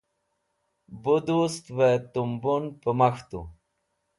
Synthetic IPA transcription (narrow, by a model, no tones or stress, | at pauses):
bud̪ust̪vet̪umbunpəmaxt̪ṵ